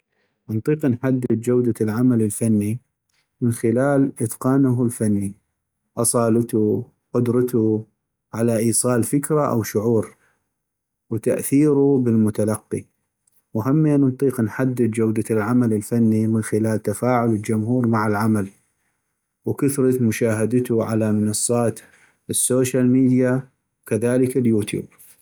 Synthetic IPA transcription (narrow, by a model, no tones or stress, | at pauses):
ʔnt̪ˤiːqnħad̪ːɪd̪̚d͡ʒawd̪alʕamalɪlfanːi | mɪnxɪlaːlʔɪt̪qɑːnʊɦlfanːi | ʔɑsˤɑːlɪt̪u | qʊd̪ɾˤɑt̪u | ʕalaʔiːsˤɑːlfɪkɾaʔa̰wʃʊʕuːɾ | wt̪aʔθiːɾubɪlmʊt̪alɑqːi | wɦamːiannt̪ˤiːqnħad̪ːɪd̪d͡ʒawd̪alʕamalɪlfanːimɪnxɪlaːlt̪afaːʕʊlɪld͡ʒʊmhuːɾmaʕalʕamal | wkʊθɾˤɑt̪mʊʃaːɦad̪t̪uʕalamɪnɑsˤːɑːt̪ | ɪsːoːʃalmiːd̪ja | wkaðaːləkaljuːt̪jṵːb̚